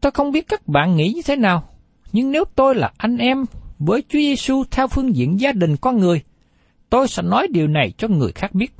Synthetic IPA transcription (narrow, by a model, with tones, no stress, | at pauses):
t̪o˧jxə˧wŋ͡mɓi˦˥ət̚kaː˦˥k̚ɓa̰ː˧˨nŋḭ˧˥ɲɨ˧t̪ʰe˨˦naː˨˩w | ɲɨ˧ŋne˨˦wt̪o˧jlaː˨˩ʔa˧jŋ̟ʔɛ˧mvəː˨˦jt͡ɕu˨˦əze˧su˧t̪ʰɛ˧wfɨ˧əŋzḭ˧˨ənzaː˧ɗï˨˩ŋ̟kɔ˧nŋɨ˨˩əj | t̪o˧jsɛ̰˧˥nɔ˨˦jɗi˨˩əwna˨˩jt͡ɕɔ˧ŋɨ˨˩əjxaː˦˥k̚ɓi˦˥ət̚